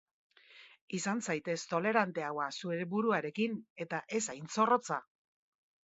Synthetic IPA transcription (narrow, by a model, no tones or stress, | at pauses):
isansajt̪e̞st̪o̞le̞ɾant̪e̞awasueebuɾuaɾe̞kine̞t̪aʔe̞sajnt͡so̞ro̞t͡sa